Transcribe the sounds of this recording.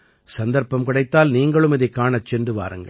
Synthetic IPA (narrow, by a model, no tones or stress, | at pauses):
sɐnd̪ɐɾpɐmkɪɽɐɪt̪ːaːlniːŋɡɐɭɯmɪðɐɪkːaːɳɐt͡ʃːɛndrɯʋa̰ːɾɯŋɡɐ̰